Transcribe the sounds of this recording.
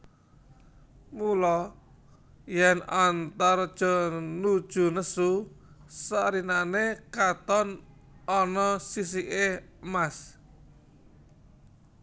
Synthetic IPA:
mulɔ | jɛnant̪ard̥ʒ̥ɔ̤nud̥ʒ̥ṳnəsusaɾinanekat̪ɔn | ɔnɔsis̬iʔemas

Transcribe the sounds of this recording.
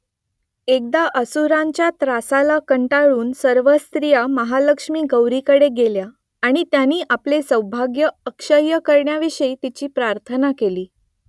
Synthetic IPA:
ek̚d̪aʔəsuɾãɲt͡ɕjat̪ɾasalakəɳʈaɭuːnsəɾʋəst̪ɾijaməɦaləkʂmiːɡəwɾikəɽeɡelja | aɽ̃it̪janiːʔaplesə̃wbʱaɡjəəkʂəɾjəkəɾɳjaʋiʂəit̪it͡ɕiːpɾaɾt̪ʰənakeliː

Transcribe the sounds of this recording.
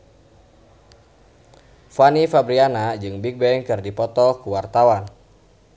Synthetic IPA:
fanifabɾianad͡ʒɨŋbik̚bɛŋkɨrdipɔt̪ɔkuwart̪awan

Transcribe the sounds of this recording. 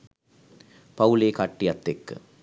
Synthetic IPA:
pɐwleːkaːʈːɪɐt̪ːekːɯ̰

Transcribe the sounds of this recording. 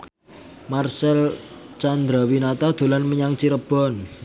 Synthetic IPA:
marsɛlt͡ʃand̪ɾawinat̪ad̪̥o̤lanməɲaŋt͡ʃiɾəb̥ɔ̤n

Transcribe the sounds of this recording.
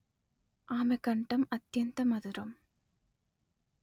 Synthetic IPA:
ʔaːmɐkɐɳʈɐmɐt̪jɐnt̪ɐmɐðɯɾɐm

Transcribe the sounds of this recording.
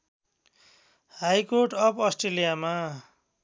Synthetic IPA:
hajkorʈʌpʰʌsʈrelijama

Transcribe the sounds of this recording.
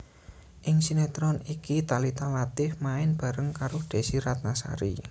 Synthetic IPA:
ʔɪŋsinɛt̪ɾɔnikit̪alit̪alat̪ɪfmaɪnb̥a̤ɾəŋkaɾʊhd̪̥e̤siɾat̪̚nasa̰ɾḭ

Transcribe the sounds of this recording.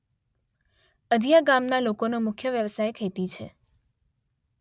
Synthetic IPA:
əd̪ʱijaɡamnalokonomʊkʰjəʋjəʋsajkʰet̪it͡ʃʰḛ

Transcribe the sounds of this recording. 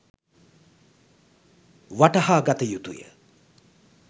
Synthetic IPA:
ʋaʈɐhaːɡat̪əjut̪ṵjə̰

